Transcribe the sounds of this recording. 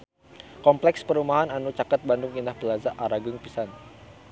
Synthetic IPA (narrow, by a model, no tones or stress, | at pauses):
kɔmplɛkspəɾumaɦananut͡ʃakat̪̚bandʊŋindahbəlazaʔaɾaɡʊŋpisan